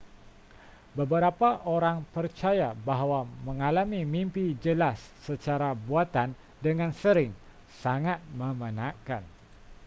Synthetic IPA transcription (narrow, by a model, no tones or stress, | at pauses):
bəbəɾapaʔoɾaŋpərt͡ʃajabaɦwaməŋalamimimpid͡ʒəlasːət͡ʃaɾabuat̪an | dəŋansəɾɪŋ | saŋat̪̚məmənãka̰n